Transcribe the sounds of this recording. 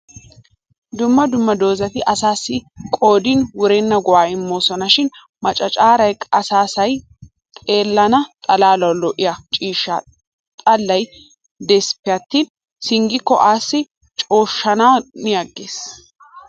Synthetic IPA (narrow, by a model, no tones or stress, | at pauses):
d̪ʊmːɐd̪ʊmːɐd̪o̞ːzɐt̪ɪʔɐsaːsːɪkʼo̞ːd̪inwʊɾɛnːɐɡʊwaːɪmːoːsɔnɐʃɪn | mɐt͡ʃʼɐt͡ʃʼaːɾɐjkʼɐsaːsɐj | t̪ʼe̞ːlːɐnɐt̪ʼɐlaːlɐwlɔʔɪjɐt͡ʃʼiːʃːɐ̰ | t̪ʼɐlːɐj | d̪ɛspːɪjɐt̪ːiːn | sɪŋɡɪkːɔ̰ʔaːsːɪ | t͡ʃʼo̞ːʃːɐnawnɪjɐɡːeːs